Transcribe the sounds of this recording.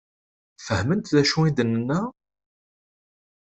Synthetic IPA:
fəhmənt̪ðæʃuid̪ənːənːæ

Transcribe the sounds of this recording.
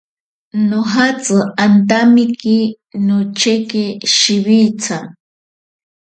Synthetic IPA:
noɦat͡sɨant̪amiki | not͡ʃekeʃiβit͡sʰa

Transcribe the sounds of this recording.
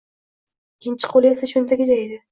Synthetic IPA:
kʲʰːɪnt͡ʃʰɪ̥qʰolesaʃʊnt̪ʰaɡʲɪd̪aed̪ɪ

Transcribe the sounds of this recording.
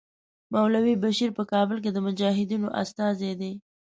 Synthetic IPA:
mawlawibaʃiɾpəkɑbəlk̬ed̪əmʊd͡ʒɑɦɪd̪inoʔa̰st̪ɑzed̪e

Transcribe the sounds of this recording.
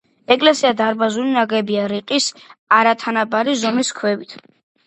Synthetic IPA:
ɛkʼlɛsiad̪aɾbazulinaɡɛbiaɾiqʼisaɾat̪ʰanabaɾizɔmiskʰwɛvit̪ʰ

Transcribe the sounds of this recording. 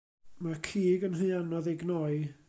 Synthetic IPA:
makʰiːɡənɦɨɨanɔðɛɡnɔɨ

